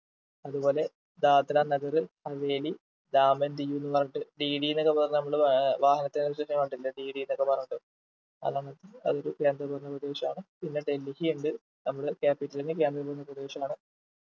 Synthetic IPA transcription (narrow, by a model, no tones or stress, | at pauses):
ɐðubo̞ːle̞ | d̪aːd̪ɾanɐɡɐrɨhɐʋe̞ːli | d̪aːmɐnd̪ijuːnːɨpɐrɐɲːiʈːɨɖiːɽijinːokːepɐðnɐmːɐɭɨʋaːhɐnɐt̪ːenʋiɕeʂɐmaːɳɖilːɐɖiːɽijinːokːepɐrɐɲːiʈːɨ | ɐ̰ðaːɳɐt̪ːɨɐ̰ðo̞ɾuke̞ːnd̪rɐpɐɾunːɐprɐd̪eːɕɐmaːɳɨpinːe̞ɖe̞lːihijuɳɖɨ | nɐmːɐɭɨkaːpːiʈːɐlinɨk̬e̞ːnd̪rɐpɐɾunːɐprɐd̪eːɕɐmaːɳɨ